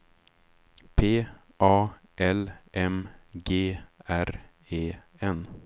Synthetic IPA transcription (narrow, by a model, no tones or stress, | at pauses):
pʰeː | ʔɑː | ʔɛlʔɛmɡeːæɾ | eː | ɛn